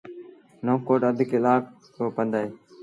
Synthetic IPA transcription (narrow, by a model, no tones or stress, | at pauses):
noːkoːʈəd̪ʱɪkelaːk | t̪oːpənd̪aːeː